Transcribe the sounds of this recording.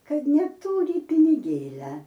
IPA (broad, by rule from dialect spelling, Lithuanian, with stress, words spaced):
ˈkɐt nʲɛˈtuːrʲɪ pʲɪnʲɪˈɡʲeːlʲɛ